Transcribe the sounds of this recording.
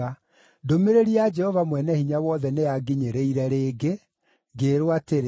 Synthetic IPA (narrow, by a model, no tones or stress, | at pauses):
a | domeɾeɾiad͡ʒɛhɔvamwɛnɛhiɲawɔðɛnejaɡiɲeɾeiɾɛɾeːɡe | ɡeɾwateɾ